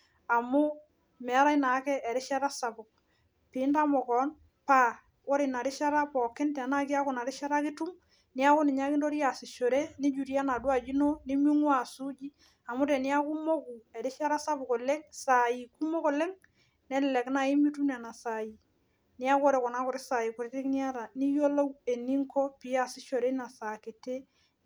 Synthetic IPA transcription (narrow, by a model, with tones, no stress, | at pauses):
a˨mʊ˦ | mɛ˨a˦ɾa˦i˦na˨˦kɛ˦ʔɛ˨ɾɪ˦ʃa˦ɾa˦sa˨pʊ˨k̚ | pɪ˨˦nta˦mɔ˨kɔ˨˦n | pa˦ | ɔ˦ɾɪ˨na˨ɾɪ˦ʃa˦ɾa˦pɔ˨kɪ˦ntɛ˨a˨na˦k̬i˦a˦kʊ˨na˨ɾɪ˦ʃa˦ɾa˦kɪ˦tu˦m | nɪ˦a˦kʊ˦nɪ˨ɲa˦kɪ˦ndo˦ɾi˦a˨sɪ˨ʃo˨ɾe˦nɪ˦d͡ʒu˨ɾja˦na˨dwa˨d͡ʒi˦no˦ni˦mu˦ŋwa˨su˦d͡ʒi˦ | a˨mʊ˦ɾe˨ni˦a˦ku˦mo˦ku˨e˨ɾɪ˦ʃa˦ɾa˦sa˦bu˨kɔ˨le˦ŋsa˨i˨ku˦mo˦kɔ˨le˦ŋ | nɛ˦lɪ˨lɛ˨kna˨i˦mi˦tu˦n˦a˨na˨sa˨ji˨ | ni˦a˦kɔ˦ɾe˨kɔ˨na˦kɔ˨ɾɪ˦sa˨ji˨kʊ˨ɾe˦tɪ˦kni˦a˦ɾa˨ni˦jo˦lo˦we˨ni˦ŋkʰɔ˦pi˨˦a˦˨sɪ˦ʃo˨ɾe˦na˨sa˨ke˨te˦